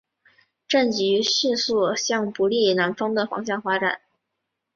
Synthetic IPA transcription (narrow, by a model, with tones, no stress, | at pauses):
ʈ͡ʂə˥˩nt͡ɕy˧˥ɕy˥˧nsu˥˩ɕjɑ˥˩ŋpu˧˥li˥˩na˧˥nfɑ˥ŋd̪ə˨fɑ̰˧˥ŋɕjɑ˥˩ŋfa˥ʈ͡ʂa̰˨˩˦n